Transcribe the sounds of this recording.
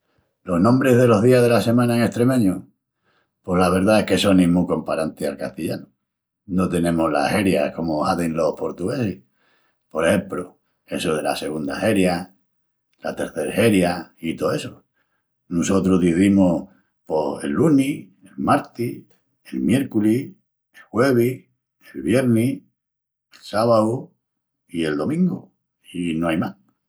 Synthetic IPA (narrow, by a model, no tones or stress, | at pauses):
lo̞ɦnõmbɾe̞ɦðe̞lo̞ɦðiaɦð̞e̞lase̞mãnaeŋe̞ht̪ɾe̞mẽ̞ɲu | po̞hlaβ̞e̞ɾðae̞hke̞so̞nĩmuko̞mpaɾant̪ealka̰ht̪iʎanu | not̪e̞nẽ̞mola̰he̞ɾjako̞mohaðenlo̞hpo̞ɾt̪uɣe̞si | po̞ɾehe̞mplo | e̞soðe̞la̰se̞ɣund̪ahe̞ɾja | la̰t̪e̞ɾθe̞ɾheɾjait̪oeso | nuso̞t̪ɾoðiθimo | poḛlːuni | elmaɾt̪i | elmje̞ɾkuli | elxwe̞β̞i | elβje̞ɾni | elsaβaðu | ie̞ld̪o̞mĩŋɡu | inoajmah